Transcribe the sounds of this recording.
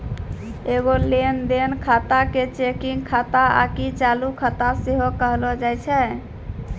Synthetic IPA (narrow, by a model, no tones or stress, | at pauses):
eɡolend̪enkʰat̪aket͡ʃekiŋɡkʰat̪aa̰kit͡ʃalukʰat̪aseɦokəɦlɔd͡ʒajt͡ʃʰɛ